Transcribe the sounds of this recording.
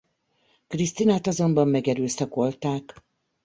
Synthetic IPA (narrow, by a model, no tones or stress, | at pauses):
krist̪inaːt̪ɒzo̞mbɒmːɛɡɛɾøːst̪ɛkolt̪aːk